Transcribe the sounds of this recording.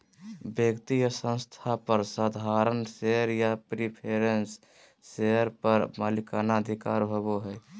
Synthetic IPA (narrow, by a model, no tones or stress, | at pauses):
bjəkt̪ijəsə̃ñst̪ʰapəɾsad̪ʱaɾənseəɾjapɾipʰeɾensː | eəɾpəɾmalikanaəd̪ʱika̰ɾbʱoboɦɛj